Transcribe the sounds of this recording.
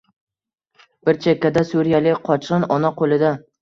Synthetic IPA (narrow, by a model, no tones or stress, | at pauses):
b̥ɪɾt͡ʃʰekʲːad̪asuɾijalɪqʰɒt͡ʃʰɨnɒnaqʰolˠɪd̪a